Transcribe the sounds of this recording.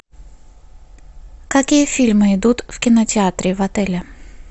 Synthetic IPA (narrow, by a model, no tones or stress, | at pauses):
kɐkʲijəfʲilʲmɨɪd̪ut̪fkʲɪnətʲɪat̪ɾʲɪvɐt̪ɛlʲɐ